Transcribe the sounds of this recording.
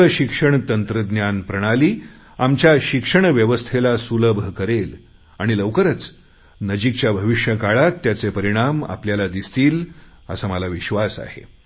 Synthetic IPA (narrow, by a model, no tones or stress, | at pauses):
əɕikʂəɳt̪ənt̪ɾəd̪njanpɾəɽ̃aliː | amt͡ɕjaɕikʂəɳ̃ʋjəʋəst̪ʰelasuləbʱəkəɾel | aɽ̃iləʋkəɾət͡s | nəd͡ʑik̚t͡ɕjabʱəʋiʂjəkaɭat̪ːjat͡sepəɾiɽ̃ama̰pljalad̪ist̪iːl | ə̰səmalaʋiɕʋasa̰ɦḛ